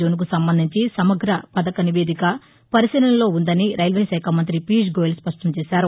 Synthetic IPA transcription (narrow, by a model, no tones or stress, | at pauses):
oːnuk̬usɐmbɐnd̪ʱiɲt͡ʃisɐmɐɡɾɐpɐd̪ɐkɐniʋe̞ːd̪ikɐ | pɐɾisiɾɐnlo̞ːund̪ɐniɾɐjlʋeːʃɛːkʰamɐnt̪ɾipiːʃ̬ɡoːjilspɐʂʈɐmt͡ʃɛːʃaːɾu